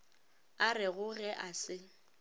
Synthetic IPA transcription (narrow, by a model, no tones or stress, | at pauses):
arɪɣʊɣɛʔasɪ